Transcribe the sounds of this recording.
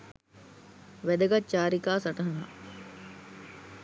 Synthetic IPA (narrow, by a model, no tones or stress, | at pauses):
ʋæd̪ɐɡɐt͡ʃaːɾikaːsɐʈɐɦɐɦa̰